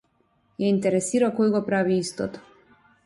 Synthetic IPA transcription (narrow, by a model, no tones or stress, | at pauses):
jaint̪ɛɾɛsiɾakɔjɡɔpɾaviist̪ɔt̪ɔ̥